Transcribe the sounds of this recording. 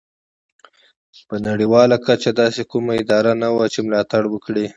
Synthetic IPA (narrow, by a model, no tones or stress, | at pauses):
pənaɽiwɑlakat͡ʃad̪ɑsekumaɪd̪ɑɾanawat͡ʃemlɑt̪aɽwəkɽi